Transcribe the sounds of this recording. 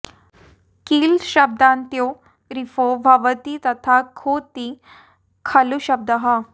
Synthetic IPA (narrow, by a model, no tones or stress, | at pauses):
kiːlɕɐb̚d̪ant̪jo | ɾifobʱaʋət̪it̪ɐt̪ʰakʰot̪i | kʰaluɕəb̚d̪əɦa